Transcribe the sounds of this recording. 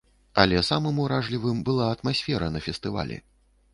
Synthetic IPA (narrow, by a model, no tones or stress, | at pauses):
ɐlʲɛsamɨmuɾaʐlʲivɨmbɨlˠaɐt̪masʲfʲɛɾɐnɐfʲɛst̪ɨva̰lʲɛ̰